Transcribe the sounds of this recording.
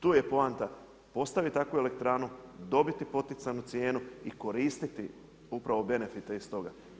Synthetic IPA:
t̪uːje̞poant̪a | po̞st̪aʋit̪akʋue̞le̞k̚t̪ɾaːnud̪o̞bit̪ipo̞t̪it̪sanut̪sje̞ːnuiko̞ɾiːst̪it̪i | upɾaʋo̞be̞ne̞fit̪eist̪o̞ɡa

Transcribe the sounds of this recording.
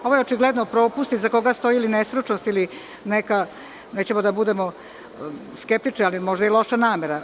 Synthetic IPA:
o̞ʋojeot͡ʃiɡled̪nopɾoːpust̪izako̞ɡast̪o̞iilinesɾut͡ʃnost̪ili | neka | neːt͡ɕe̞mod̪abud̪e̞mo | skep̚t̪it͡ʃnialimo̞ʒd̪ajelˠo̞ʃanaːmeɾa

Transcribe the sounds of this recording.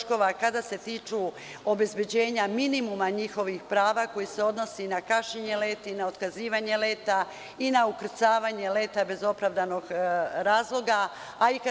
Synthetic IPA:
ko̞ʋakad̪ase̞t̪iːt͡ʃu | o̞be̞zbje̞d͡ʑe̞ːɲaminimumaɲixo̞ʋixpɾaːʋako̞jise̞o̞d̪no̞sinakaʃɲeɲele̞ːt̪iinaod̪kaziːʋaɲe̞le̞ːt̪a | inaukr̩t̪saːʋaːɲe̞le̞ːt̪abe̞zo̞pɾaʋd̪ano̞ɡɾaːzlˠo̞ɡaː | ika

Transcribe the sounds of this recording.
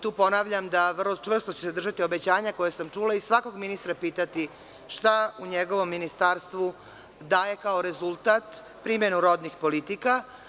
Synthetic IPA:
t̪uːpo̞naːʋʎamd̪aʋr̩lot͡ʂʋr̩st̪ot͡ɕese̞d̪r̩ʒat̪io̞bet͡ɕaːɲako̞jesamt͡ʂuːlaisʋako̞ɡminist̪ɾapiːt̪at̪i | ʃt̪auɲeɡo̞ʋo̞mːinist̪aːɾst̪ʋu | d̪aːje̞kao̞ɾe̞zulˠt̪aːt̪ | pɾimjenuɾo̞d̪nixpo̞lit̪ika

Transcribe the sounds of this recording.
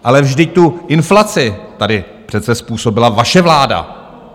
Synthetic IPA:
ʔalɛvʒdɪc̚t̪uʔɪnflat͡sɪt̪adɪ | pr̝̥ɛt̪t͡sɛspuːso̞bɪlavaʃɛvlaːda̰

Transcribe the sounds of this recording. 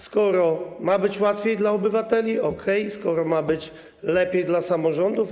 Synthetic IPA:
skɔɾɔmabɘt͡ɕwat̪fʲjejd̪laɔbɘvat̪ɛlʲiɔkʰɛjskɔɾɔmabɘt͡ɕ | lɛpʲjejd̪lasamɔʐɔnd̪uf

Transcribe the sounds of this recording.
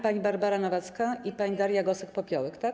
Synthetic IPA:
paɲibaɾbaɾanavat̪skaʔipaɲd̪aɾʲjaɡɔsɘk̚pɔpʲjɔwɛkt̪ak

